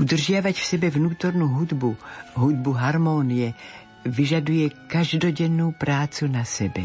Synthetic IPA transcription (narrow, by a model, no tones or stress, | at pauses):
ʔud̪r̩ʒjavacfsɛbɛvnuːt̪oɾnuɦud̪buɦud̪̚buɦaɾmonijɛ | viʒadujɛkaʒdoɟɛnːuwpɾaːt͡sunasɛbɛ